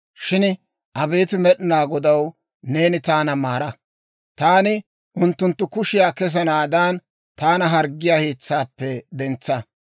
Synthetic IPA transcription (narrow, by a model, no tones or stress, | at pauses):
ʃɪn | ʔɐbe̞ːt̪ɪmɛɗɪnaːɡɔd̪ɐw | ne̞ːnɪt̪aːnɐmaːɾɐ | t̪aːnɪ | ʔʊnt̪ːʊnt̪ːʊkʊʃɪjaːkɛs̬ɐnaːd̪aːn | t̪aːnɐɦɐɾɡːɪjaːheːt͡sːaːpːɛd̪ɛnt͡sːɐ